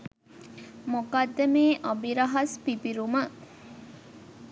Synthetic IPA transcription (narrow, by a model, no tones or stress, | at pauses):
mokad̪ːɐmeːʔabiɾɐɦɐspipiɾumə